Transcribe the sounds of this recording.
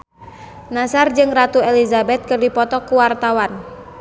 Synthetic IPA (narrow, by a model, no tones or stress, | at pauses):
nasard͡ʒɨŋrat̪uɛlizabɛt̪̚kɨrdipɔt̪ɔkuwart̪awan